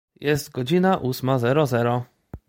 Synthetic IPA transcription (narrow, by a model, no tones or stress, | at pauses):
jɛst̪ɡɔd͡ʑinaʔusmazɛɾɔzɛɾɔ